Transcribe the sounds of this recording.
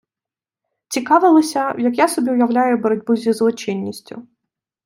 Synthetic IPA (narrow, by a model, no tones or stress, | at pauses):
t͡sʲikɑʋɪlˠɔsʲɐjɐkjasɔbʲiʊjɐwlʲajʊbɔɾɔdʲbʊzʲizlˠɔt͡ʃɪnʲːisʲtʲʊ